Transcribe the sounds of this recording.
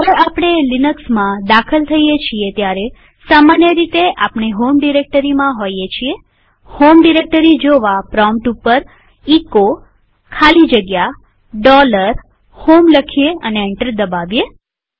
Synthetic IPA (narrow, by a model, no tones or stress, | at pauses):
əʋeapɽ̃elinəksmãd̪akʰəlt̪ʰəijet͡ʃʰiet̪jaɾe | samanjəɾit̪eʔapɳeɦomɖiɾek̚ʈəɾimãɦojjet͡ʃʰie | homɖiɾek̚ʈəɾid͡ʒoʋapɾɔmʈupəɾ | iko | kʰalid͡ʒəɡja | ɖɔləɾ | homləkʰijeəneːɳʈəɾd̪əbaʋje